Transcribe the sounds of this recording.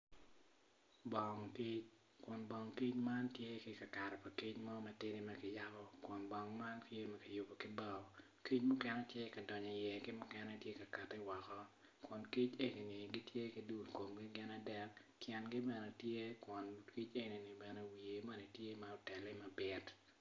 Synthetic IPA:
bɔ˨ŋki˦t͡ʃ | kɔ˨nbɔ˨ŋki˦t͡ʃma˦ntje˦kɪ˨ka˨ka˨ɾɛ˨pa˨ki˦t͡ʃmɔ˦mɐ˨tɪ˦ɾi˦mɐ˦kɪ˨ja˦bɔ˦kwɔ˨nbɔ˨ŋma˦ntje˦mɐ˦kɪ˨jʊ˨bo˨kɪ˦bɔ˦˨ | ki˦t͡ʃmʊ˦kɛ˦nɛ˦tje˦kɐ˨dɔ˨ɲɔ˨jɛ˨kɪ˦mʊ˦kɛ˦nɛ˦tje˦ka˨ka˨tɪ˦wɔ˨kɔ˦ | kɔ˨nki˦t͡ʃe˦ɡɪ˨nɪ˨ɡɪ˦tje˦kɪ˨du˦ko˨mɡɪ˦ɡɪ˦na˦dɛ˦kkjɛ˨nɡɪ˦bɛ˨nɛ˨tje˦kwɔ˨nki˦t͡ʃe˦ni˨nɪ˨bɛ˨nɛ˦wi˨e˨ma˦nɛ˨tje˦ma˨ɔ˨tɛ˨lɪ˦ma˨bɪ˦t

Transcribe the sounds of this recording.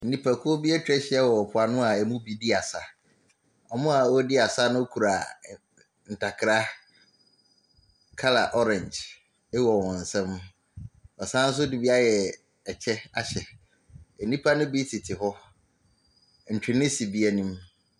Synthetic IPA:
nĩ˦pʰa˨kʰʊ˦o˦bi˦ɛ˦tʰᶣɾɛ˦ɕɪ˨ɛ˦wɔ˨ɔ˨pʰʊ˨a˨nʊ̃˦a˨ɛ˨mũ˦bi˦di˦a˨sa˨ | ɔ˨mʊ̃˦a˨wɔ˦dɪ˦a˨sa˦nʊ̃˦o˦kʰu˨ɾa˨ | n̩˨tʰa˨kʰɾa˦ | kʰa˦la̰˨ʔɔ˦ɾɛ̃˨nd͡ʒ | ɛ˦wɔ˨wɔ̃˨n̩˨sɛ̃˦m | ɔ˨sãː˦n̩˦s̬ʊ˦di˨bi˦a˦jɛ˨ | ɛ˨t͡ɕʰɛ˦a˦ɕɛ˨ | ɛ˨nĩ˦pʰa˦nʊ̃˦bi˦tʰɪ˨tʰɪ˨hɔ˦ | n̩˨tʰᶣɪ˨nɪ̃˦si˨bi˦ɛ˦nĩ˦m

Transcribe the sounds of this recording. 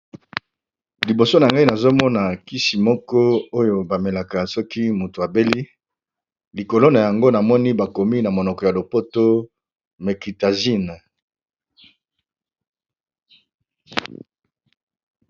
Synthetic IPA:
li˨bo˨so˦na˨ŋɡa˦i˦na˨zo˦mɔ˦na˨ki˦si˨mɔ˦kɔ˦o˦jo˨ba˨me˨la˨ka˨sɔ˦ki˦mo˨tu˨a˨be˦li˦ | li˨ko˨lo˦na˨ja˨ŋɡo˦na˨mɔ˦ni˦ba˨ko˨mi˦na˨mo˨nɔ˨kɔ˨ja˨lo˨po˦to˦ | me˨ki˨ta˨zi˦n˨

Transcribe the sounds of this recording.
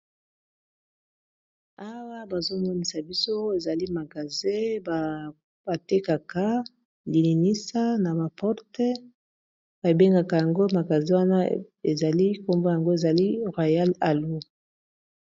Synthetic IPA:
a˦wa˦ba˨zo˦mwa˦mi˨sa˨bi˦so˦e˨za˨li˦ma˨ɡa˨ze˦ba˨ | ba˨te˦ka˨ka˦ | li˨ni˨ni˦sa˦na˨ba˨pɔ˦ʁte˦ | ba˨be˦ŋɡa˨ka˨ja˨ŋɡo˦ma˨ɡa˨ze˦wa˦na˦ | e˨za˨li˦ko˦mbo˦ja˨ŋɡo˦e˨za˨li˦ʁwa˨ja˦la˨lu˦

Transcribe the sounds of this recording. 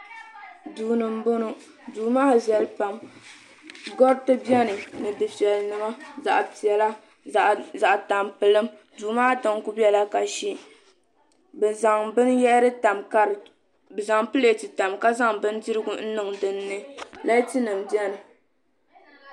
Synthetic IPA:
duː˨nɨ˨m̩˦bo˦nu˦ | duː˨maː˦zɛ˨lpa˨m | ɡɔ˦ɾtɨ˦bjɛ˦nɨ˨nɨ˨dɨ˨fɛ˨lnɨ˨ma˦za̰˨ʔpi˨ɛ˨la˦ | a˨ʔza˨ʔta˨mpɨ˨lɨ˦m | duː˨maː˦tɨ˨ŋku˦bɛ˦la˦ka˨ʃi˦ | bɨ˨za˨ŋbɨ˦njɛ˦ɾɨ˦ta˨mka˦ɾɨ˨ | bɨ˨za˨ŋpɨ˦le˨ti˨ta˨mka˦za˦ŋbɨ˦n˦di˦ɾɨ˦ɡʊ˨n̩˦nɨ˨ŋdɨ˨nːɨ˦la˦ti˦nɨ˨mbjɛ˦nɨ˨

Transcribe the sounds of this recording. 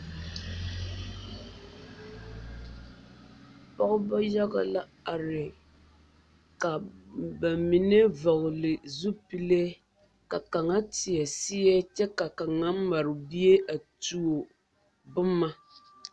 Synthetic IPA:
pɔ˦ɣʊ˦ba˦ja˦ɡa̰˨la˦a˨ɾɪ˨ | ka˨ba˨mi˨ne˦vɔ˨ɣʊ˨lɨ˨zu˦pi˦le˦ | ka˨ka˨ŋa˦ti˨ɛ˨si˦jɛ˦t͡ʃɛ˦ka˨ka˨ŋa˦m̩˦ma˨ɾɪ˨bi˦e˦ʔa˨tu˦o˨ | bʊ˦mːa˦

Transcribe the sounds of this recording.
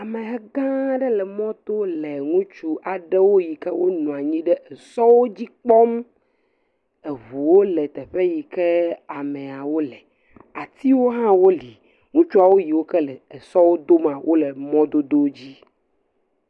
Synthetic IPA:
a˨me˨ɦɛ˦ɡã˦ɖɛ˦lɛ˨mɔ̃˦t̪o˦le˨ŋũ˦t͡ʃu˦ʔa˨ɖɛ˦wo˦ji˨kɛ˦wo˦nũ˨a˨ɲĩ˦ɖɛ˦ʔɛ˨sɔ˦wo˦d͡ʑi˦k͡pɔ˦m | e˨βu˨wo˦lɛ˨t̪ɛ˨ɸe˦ji˨kɛ˦a˨mẽ˨a˨wo˦lɛ˨ | a˨t̪i˦wo˦ɦã˦wo˦li˨ | ŋũ˦t͡ʃu˦a˨wo˦ji˨wo˦kɛ˦lɛ˨e˨sɔ˦wo˦d̪o˦mã˨wʔo˦lɛ˨mɔ̃˦d̪o˦d̪o˦d͡ʑi˦

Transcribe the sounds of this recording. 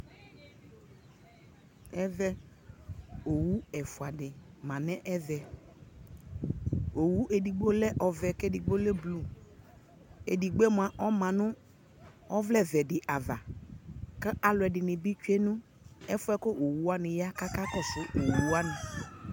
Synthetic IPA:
ɛ˦vɛ˦ | o˨wu˦ɛ˨fʊ˨a˨dɪ˨mã˨nɛ˦ʔɛ˦vɛ˨ | o˨wu˦ʔe˨di˨ɡ͡bo˦lɛ˦ʔɔ˨vɛ˨ke˦di˨ɡ͡bo˦lɛ˦blu˦ | ḛ˨di˨ɡ͡be˦m˨a˨ʔɔ˦mã˨nʊ˦ | ɔ˦vlɛ˦˨vɛ˨dɪ˨ʔa˨va˨ | ka˦ʔa˨lɛ˨dɪ˨nɪ˨bi˦t͡ʃɛ˦nʊ̃˦ | ɛ˦fʊ˦ɛ˦ko˦ʔo˨wu˦wa˦nɪ˨ja˦ka˦ka˦kɔ˦sʊ˦ʔo˨wu˦a˦nɪ˨

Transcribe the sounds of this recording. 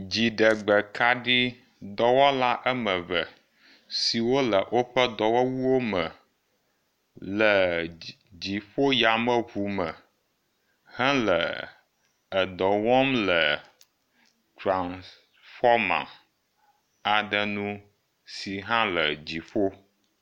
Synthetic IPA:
d͡ʑi˨ɖə˨ɡ͡bə˨kʰa˦ɖi˦ | d̪ɔ˦wɔ˦la˦ʔə˦mə̃˨və˨ | si˨wo˦lə˨ʔo˦ɸə˦d̪ɔ˨wɔ˦wu˦wo˦mə˨ | lə˨ | d͡ʑi˨ɸo˦ja˨mə̃˦ɸu˨mə˨ | hã˦lə˨ | ə˨d̪ɔ˨wɔ˦mlə˨ | tɾã˨ns | fɔ˦mã̰˨ | a˨ɖə˦nũ˦ | si˨ɦã˦lə˨d͡ʑi˨ɸo˦

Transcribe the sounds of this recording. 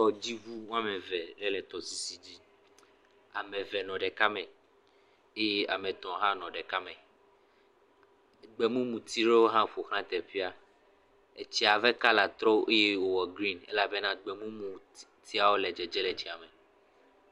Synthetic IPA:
ɔ˨d͡ʑi˦vu˦wũ˦ã˦mɛ̃˨vɛ˨ɖɛ˦lɛ˨t̪ɔ˨si˨si˨d͡ʑi˦ | a˨mɛ̃˨vɛ˨nɔ̃˨ɖɛ˨ka˦mɛ̃˨ | e˦je˦ʔa˨mẽ˨t̪ɔ̃˨ɦã˦nɔ̃˨ɖɛ˨ka˦mɛ˨ | ɡ͡bɛ˨mũ˦mũ˨t̪i˦ɖe˦wo˦ɦã˦ɸo˨xã˦t̪ɛ˨ɸi˦a˦ | e˨t͡ɕi˦a˨vɛ˦ka˦la˨t̪ɾɔ˦ʔe˦je˦wo˨wɔ˨ɡɾi˦nḛ˦la˦be˦nã˦ɡ͡bɛ˨mũ˦mũ˨ | t̪ʰi˦a˨wo˦lɛ˨d͡ʒɛ˨d͡ʒɛ˦lɛ˨t͡ɕi˨a˨me˨

